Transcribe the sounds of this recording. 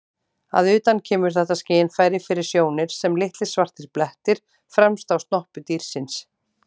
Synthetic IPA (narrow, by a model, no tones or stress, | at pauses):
a̰ðʏːt̪ancʰɛːmʏɾ̥θɛht̪asceːjɪnfaːjɾɪfɪɾɪɾ̥sjoːwnɪɾ̥sɛmlɪht̪lɪ̥svar̥t̪ɪɾplɛht̪ɪɾ̥ | fɾɛmst̪awst̪nɔhpʏt̪iːɾ̥sɪns